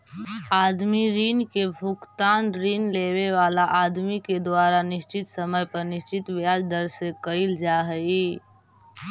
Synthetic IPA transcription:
aːd̪miɾiːnkebʱʊkt̪aːnɾiːnleːweʋaːlaʔaːd̪miked̪ʊaːɾanɪʃt͡ʃɪt̪səməjpəɾnɪʃt͡ʃɪt̪ʋjaːd͡ʒd̪əɾsekəɪld͡ʒaːɦəi

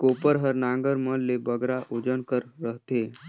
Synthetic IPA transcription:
kopəɾɦəɾnãŋɡəɾməllːebəɡɾaʔod͡ʒənkəɾːəɦt̪e

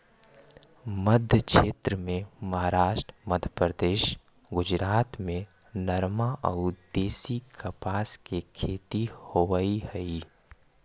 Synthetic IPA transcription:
məd̪ʱjəkʃeːt̪ɾəmẽmɐɦaːɾaːʃʈɾəməd̪ʱjəpɾəd̪eːʃ | ɡʊd͡ʒɾaːt̪mẽ | nɐɾmaʔə̰ʊd̪eːsikɐpaːskekʰeːt̪ihoʋəihɛi

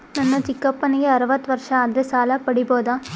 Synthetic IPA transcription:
nɐnːɐt͡ʃɪkːɐpːɐnɪɡeɐɾɯbɐt̪ːʋɐɾʂɐ̃ɐðɾɐsaːlaːpɐɽɪpoːðãː

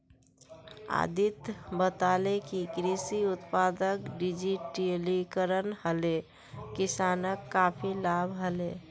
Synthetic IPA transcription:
a̰d̪it̪bət̪alekikɾisiut̪pad̪əkɖid͡ʒiʈlikəɾənhəle | kisanəkːapʰilabʱɦəle

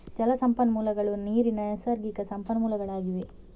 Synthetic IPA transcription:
d͡ʒɐlɐsɐmpɐnɐmuːlɐɡɐɭuniːɾinɐɐsɐɾɡikɐsɐmpɐnɐmuːlɐɡɐɭaːɡiʋe

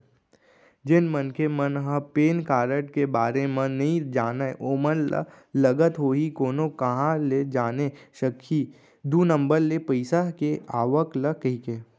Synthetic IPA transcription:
d͡ʒɪnmənkemənɦãpeːnkaːɾəʈkebaːɾemẽnɐɦĩd͡ʒaːnaʔoːmənl̰ | lɐɡət̪ɦoːɦikoːnõkɐɦãled͡ʒaːneʃəkʰːi | d̪uːnə̃mbəɾlepəɪsakeʔaːʋəkləkəɦikeː

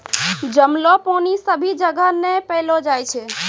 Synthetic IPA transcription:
d͡ʒəmloponisəbʱid͡ʒəɡanepəɦlod͡ʒajt͡ʃʰe

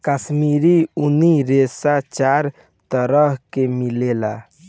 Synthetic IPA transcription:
kəsmiːɾiuniɾesat͡ʃaɾ | t̪əɾəɦkemilela̰

